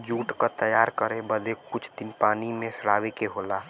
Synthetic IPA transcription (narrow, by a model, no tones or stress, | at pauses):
d͡ʒuːʈkat̪əjaːɾkəɾebəd̪ekʊt͡ʃʰd̪ɪnpaːnimẽsəɽaːʋekeɦoːlaː